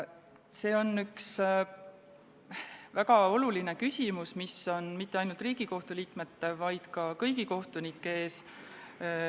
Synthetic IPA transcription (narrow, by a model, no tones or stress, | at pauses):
se̞ːo̞nːyks | væɡɑo̞luline̞kysʲimusmiso̞nmit̪ːeɑjnult̪riːɡ̥iko̞ht̪uliːkmet̪ːevɑjd̪̥kɑkɤjɡ̥iko̞ht̪unikːee̞ːs